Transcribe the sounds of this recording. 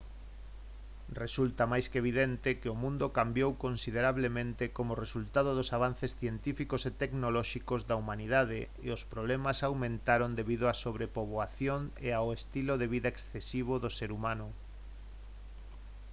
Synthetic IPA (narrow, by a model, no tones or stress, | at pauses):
result̪ɐmajskeβ̞iðent̪ɪkɪomũnd̪okambjowkonsið̞eɾaβlemẽnt̪ɪkomʊresult̪aðoðʊsaβ̞anθesθjent̪ifikoset̪eknolɔʃikozðaumaniðað̞eːospɾoβlɛmasawmẽnt̪aɾond̪eβiðoasoβɾepoβoaθjoŋeaoest̪iloðeβiðaeksθesiβ̞oðoseɾumãnʊ